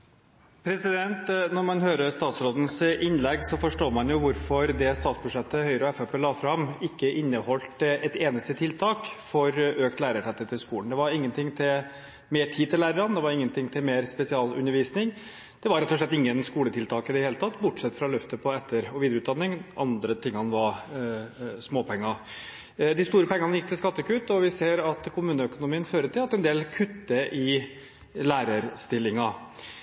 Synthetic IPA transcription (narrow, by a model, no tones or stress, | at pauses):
pʰɾɛsɪd̪ɛnt̪nɔɾmɑnhøːɾəst̪ɑːt̪sɾoːd̪n̩sʔɪnlɛɡsɔfɔʂʈoːmɑnjʊʋʊɾfɔɾd̪ɛst̪ɑːt̪sbʉʂɛt̪ːəhœʏɾəɔɛfɛpʰeːlɑːfɾɑmɪkːəʔɪnːəhɔlt̪ɛt̪eːnəst̪ət̪ʰɪlt̪ʰɑːkfɔɾøːkt̪læːɾəʈʰɛt̪ːət̪ʰɪlskuːlənd̪ɛʋɑɾɪŋːənt̪ʰɪŋt̪ʰɪl | meːʈʰiːt̪ɪlæːɾəɾɑnd̪ɛʋɑɾɪŋːənt̪ɪŋt̪ʰɪlmeːɾspɛsɪɑːlʉ̰nːəɾʋiːsnɪŋ | d̪̥ɛʋɑɾɛt̪ːɔʂɭɛt̪ːɪŋːənskuːlət̪ʰɪlt̪ʰɑːkəɪd̪ɛheːlət̪ɑt̪ːbʊʈʂɛt̪ːfɾɑlœft̪əpʰɔɛt̪ːəɾɔʋiːd̪ɾʉːt̪d̪ɑnːɪŋʔɑnd̪ɾət̪ʰɪŋːhɑnʋɑɾ | smoːpʰɛŋːɑ | d̪ɪst̪uːɾəpʰɛŋənɑnjɪkt̪ʰɪlskɑt̪ːəkʉːt̪ɔʋɪseːɾɑt̪kʰʊmʉːnəœkʊnʊmiːənføːɾət̪ʰɪlɑt̪ːɛnd̪eːlkʰʉt̪ːəʔɪ | læːɾəɾst̪ɪlːɪŋɑ